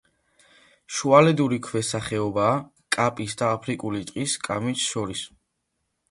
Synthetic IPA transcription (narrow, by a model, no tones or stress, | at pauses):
ʃualɛd̪uɾikʰwɛsaχɛɔbaː | kʼapʼisd̪aːpʰɾikʼulit̪ʼqʼiskʼamit͡ʃʃɔɾis